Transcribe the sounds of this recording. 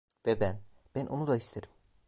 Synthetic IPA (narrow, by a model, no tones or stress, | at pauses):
vɛbæn | bænʔonud̪aist̪ʰeɾim